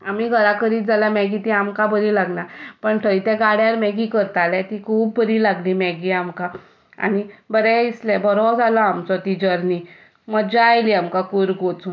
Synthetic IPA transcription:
amiːɡʱəɾakəɾiːt̪̚d͡zalamɛɡit̪iamkabəɾilaɡnapəɳʈʰəjt̪ɛ̃ɡaɽjaɾmɛɡikəɾt̪alɛt̪ikʰuːb̚ːəɾiːlaɡlimɛɡiamkã | a̰nibəɾɛ̃islɛbəɾɔd͡zalɔamt͡sɔt̪id͡ʑəɾni | məɡd͡ʑajliamkakuɾɡot͡sũ

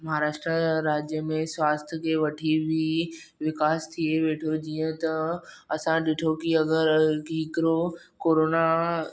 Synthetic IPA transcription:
mɐɦaɾaːʃʈɾaɾaːd͡ʑjəmẽswaːst̪ʰjəkʰeːʋɐʈʰibʱi | ʋɪkaːst̪ʰieʋeːʈʰod͡ʑiːə̃t̪ɐ | ɐsãɗɪʈʰokiɐɡəɾɡiːkɪɾo | koːɾoːna

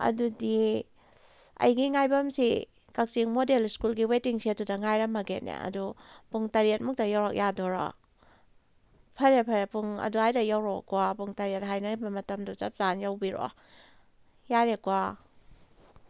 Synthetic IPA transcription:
ɐ̰dudi | ɐ̰jɡiŋajbɐmsi | kak̚t͡ʃiŋmodelskulɡiwetiŋsiɐdudɐŋajɾɐmɐɡenḛɐ̰dupuŋtɐɾiet̚muk̚tɐjawɾɔk̚jadoɾo̰ | pʰɐɾepʰɐɾepuŋɐ̰duajdɐjawɾokːwapuŋtɐɾiet̚ɦajnɐbɐmɐtɐmdut͡ʃɐp̚zanjawbiɾo̰ | jaɾekwa

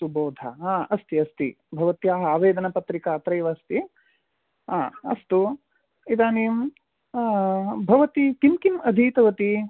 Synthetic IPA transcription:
uboːd̪ʱɐ̰ɦaːɐst̪iɐst̪ḭ | bʱɐʋɐt̪jaːɦɐaːʋeːd̪ɐnɐpɐt̪ɾikaːt̪ɾɐjʋɐːst̪i | aːɐ̰st̪u | id̪aːniːm | bʱɐʋɐt̪ikimkimɐd̪ʱiːt̪ɐʋɐt̪i

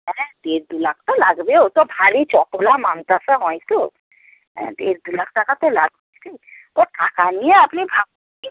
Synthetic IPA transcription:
ɦɛ̃d̪eɾd̪ulakʰt̪ɔlaɡbeot̪ɔbʱaɾit͡ʃɔpolamant̪asaɦɔjt̪o | ɛ̰̃d̪eɾd̪ulakʰʈakat̪ɔlaɡɔjsʰi | oɾʈakanijeapnibʱab̚ | i

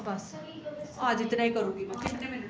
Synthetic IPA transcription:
bəs | oəd͡ʒɪt̪naːĩːkəɾũːɡimɛ̃ːkɪtn

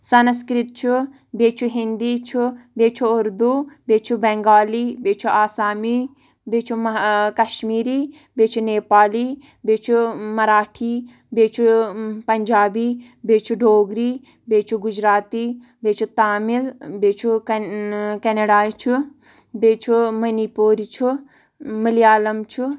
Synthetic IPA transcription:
sɐnskɾit̪t͡ʃʰu | beːt͡ʃʰuɦind̪iːt͡ʃʰubeːt͡ʃʰuʊɾd̪ubeːt͡ʃʰubɛ̃ŋɡaːliːbeːt͡ʃʰuʔaːsaːmiː | beːt͡ʃʰukɐʃmiːɾiː | beːt͡ʃʰuneːpaːliː | beːt͡ʃʰumɐɾaːʈʰiː | beːt͡ʃʰupɐɲd͡ʒaːbiː | beːt͡ʃʰuɖʱoːɡɾiː | beːt͡ʃʰuɡʊd͡ʒɾaːt̪iː | beːt͡ʃʰut̪aːmilbeːt͡ʃʰu | keneɖaːt͡ʃʰu | beːt͡ʃʰumɐnipoːɾit͡ʃʰu | məlijaːlɐmt͡ʃʰu

